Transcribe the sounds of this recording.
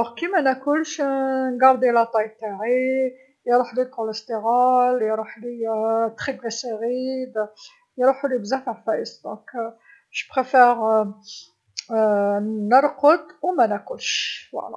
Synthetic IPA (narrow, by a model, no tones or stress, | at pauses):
kimænækʊlʃnɡɑɾˤd̪jlæt̪ˤɑjt̪aʕi | jɾˤuħlilkoləst̪eɣɑljɾˤuħlit̪χiɡlæseɣid̪ | jɾuħulibzæfəʕfæʔəsd̪ɔ̃k | ʃbχefɛʁ | nəɾˤqəd̪wmænækʊlʃwɑ̰læ̰